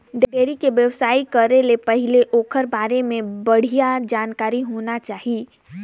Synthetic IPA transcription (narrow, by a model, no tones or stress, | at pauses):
ɖekeːɾikeʋjəʋsaːikəɾelepəɦɪleʔoːkʰəɾbaːɾemẽbəɽ̤ijad͡ʒaːnkaːɾiɦoːnat͡ʃaːɦi